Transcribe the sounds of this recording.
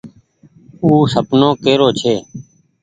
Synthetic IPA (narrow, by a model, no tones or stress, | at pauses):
uːsəpnoːkeːɾoːt͡ʃʰeː